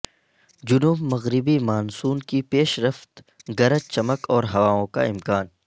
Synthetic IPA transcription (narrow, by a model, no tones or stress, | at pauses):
d͡ʒʊnuːbmɐɣɾɪbimaːnsuːnkipeːʃɾɐft̪ | ɡɐɾət͡ʃɐməkɔːɾɦɐʋaːõka̰ɪmkaːn